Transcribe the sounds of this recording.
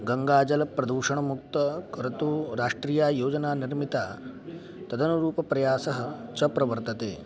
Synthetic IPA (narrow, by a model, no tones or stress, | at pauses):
ɡɐŋɡaːd͡ʒɐlɐpɾɐd̪uːʃɐɳ̃ɐmuk̚t̪ɐkɐɾɐt̪uːɾaːʂʈɾiːjaːjoːd͡ʒɐnaːniɾmit̪aː | t̪ɐd̪ɐnuɾuːpɐpɾɐjaːsɐɦɐt͡ʃɐpɾɐʋɐɾt̪ɐt̪eː